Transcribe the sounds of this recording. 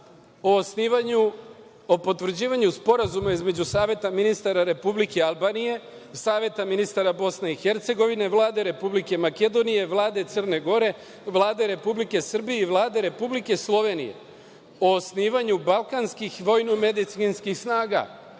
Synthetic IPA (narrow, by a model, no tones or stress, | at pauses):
oosniːʋaɲu | opo̞t̪ʋr̩d͡ʑiːʋaɲuspo̞ɾazumaizme̞d͡ʑusaːʋje̞t̪aminist̪aɾaɾe̞publike̞alˠbaːnije̞ | saːʋje̞t̪aminist̪aɾabo̞sne̞ixe̞ɾt̪se̞ɡo̞ʋine̞ʋlˠaːd̪e̞ɾe̞publike̞make̞d̪o̞nije̞ʋlˠaːd̪e̞t̪sər̩ne̞ɡo̞ɾe̞ | ʋlˠaːd̪e̞ɾe̞publike̞sr̩bijeiʋlˠaːd̪e̞ɾe̞publike̞slˠo̞ʋe̞nḭje̞̰ | oosniːʋaɲubalˠkanskixʋo̞jnume̞d̪it̪sinskixsnaːɡa̰